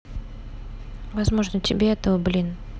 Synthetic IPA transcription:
vɐzmo̞ʐnətʲɪbʲeɛt̪əvəblʲin

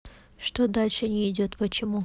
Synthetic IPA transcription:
ʂt̪od̪alʲʂɨnʲɪɪdʲot̪pət͡ɕɪmu

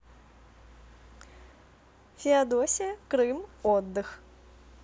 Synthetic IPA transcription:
fʲiad̪ɔsʲijɐkɾɨmɔd̪ːɨx

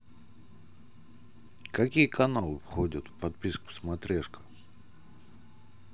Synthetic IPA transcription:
kɐkʲijəkɐnalˠɨfxodʲət̪fpɐt̪̚pʲiskʊ̥smɐt̪ɾʲeʂkə̥

